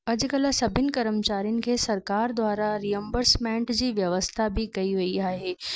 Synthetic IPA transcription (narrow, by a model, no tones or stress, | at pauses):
ɐd͡ʑʊ̆kɐlsɐbʱɪnɪ̆kɐɾəmt͡ɕaːɾijʊnɪ̆kʰeːsɐɾkaːɾd̪ʱwaːɾaɾijə̃mbəɾsmẽːɳʈd͡ʑiːʋjɐʋəst̪ʰabɪkɐiʋɐiaːɦeː